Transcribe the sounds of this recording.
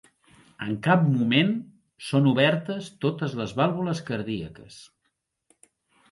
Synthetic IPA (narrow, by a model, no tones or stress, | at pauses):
əŋkap̚mumen | sonuβɛɾt̪əst̪ot̪əzləzβalˠβuləskəɾðiəkəs